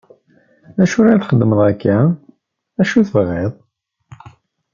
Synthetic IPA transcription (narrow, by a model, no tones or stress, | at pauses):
æʃuɾaθχəd̪ːməðˤækːa | æʃuθəvʁeðˤ